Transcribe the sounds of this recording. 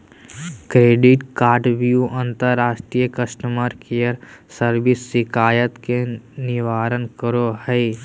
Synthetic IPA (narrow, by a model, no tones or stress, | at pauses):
kɾeːɖɪʈkaːɾɖʋjuə̃nt̪əɾːaːʃʈɾijəkəʃʈəməɾkejəɾsəɾʋɪsːɪkʰaːjət̪kenɪʋaːɾənkəɾohɛɪ